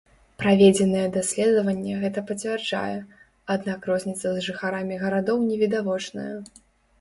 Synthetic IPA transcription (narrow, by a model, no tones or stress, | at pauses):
pɾavʲɛd͡zʲɛnɨjɛd̪asʲlʲɛd̪ɐvɐnʲːɛɣɛt̪ɐpɐt͡sʲvʲɛrd͡ʐa̰jɛ | ad̪nakrɔzʲnʲit̪sɐzʐɨxaɾamʲiɣɐɾad̪ɔwnʲɛvʲid̪avɔt͡ʂnɐ̰jɛ